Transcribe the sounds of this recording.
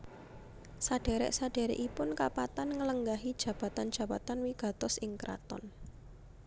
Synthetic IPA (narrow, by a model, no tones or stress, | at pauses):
saɖ̥e̤ɾɛ̰ʔsaɖ̥e̤ɾɛ̰ʔipʊnkapat̪anŋələŋɡaɦid̥ʒ̥ä̤b̥a̤t̪and̥ʒ̥ä̤b̥a̤t̪anwiɡ̥a̤t̪ɔsʔɪŋkɾa̰t̪ɔ̰n